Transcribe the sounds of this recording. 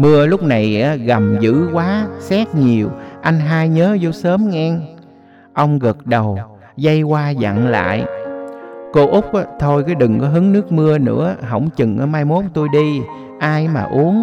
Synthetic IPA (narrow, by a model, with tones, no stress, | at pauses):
mɨ˧əlʊ˦˥k͡p̚na˨˩jʔaː˨˦ɣa˨˩mzɨ̰˧˥kwaː˨˦sɛ˦˥k̚ɲi˨˩əwʔa˧jŋ̟ɦaː˧jɲəː˨˦zo˧˩səː˨˦mŋɛ˧ŋ | ʔə˧wŋ͡mɣə˨˩t̚ɗə˨˩w | zə˧jkwaː˧za̰˧˨ŋla̰ː˧˨j | ko˧ʔʊ˦˥k͡p̚ʔt̪ʰo˧jkaː˨˦jɗɨ˨˩ŋkɔ˨˦ɦɨ˨˦ŋnɨ˦˥ək̚mɨ˧ənɨ̰˧˥əɦə̰˧˩wŋ͡mt͡ɕɨ˨˩ŋʔa˨˦maː˧jmo˨˦˥ŋ͡mt̪u˧jɗi˧ | ʔaː˧jmaː˨˩ʔu˨˦əŋ